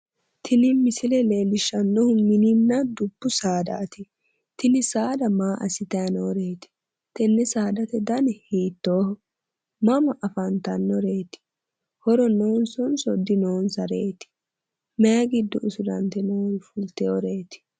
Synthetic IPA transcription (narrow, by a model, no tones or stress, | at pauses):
t̪ʰɪnɪmɪsɪlɛle̞ːlɪʃːɐnːɔhʊmɪnɪnːɐd̪ʊbːʊsaːd̪a̰ːt̪ɪ | t̪ɪnɪsaːd̪ɐmaːʔɐsɪt̪ɐɐnoːɾe̞ːt̪ɪ̥ | t̪ɛnːɛsaːd̪ɐt̪ɛd̪ɐnɛhiːt̪ːoːhɔ | mɐmɐʔɐfɐnt̪ɐnːɔɾeːt̪ɪ̥ | hɔɾɔnoːnsɔnsɔd̪ːɪnoːnsɐɾeːt̪ɪ̥ | mɛɐɡɪd̪ːɔʔʊsʊd̪ɐnt̪ɛnoːɾfʊlt̪ɛɔɾeːt̪ɪ̥